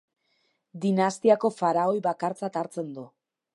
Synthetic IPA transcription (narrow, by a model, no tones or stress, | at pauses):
d̪inast̪iako̞faɾaojβakaɾt͡sat̪aɾt͡se̞nd̪u